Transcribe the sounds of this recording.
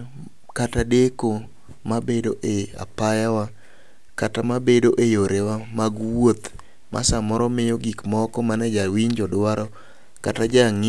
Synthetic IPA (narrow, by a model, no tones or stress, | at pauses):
katadeko | mabedoʔea̰pajawa | katamabedoʔejoɾewamaɡwot̪ | mʔa̰samɔɾɔmɪjoɡikmɔkɔmanɛd͡ʒawiɲd͡ʒɔdwaɾɔ | katad͡ʒaŋ